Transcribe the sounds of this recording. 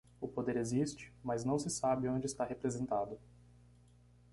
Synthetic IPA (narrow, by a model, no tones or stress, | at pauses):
ʊpod̪eɾezist͡ʃɪ̥maznɐ̃w̃sɪsabɪõd͡ʒɪst̪aɦepɾezẽnt̪ad̪ʊ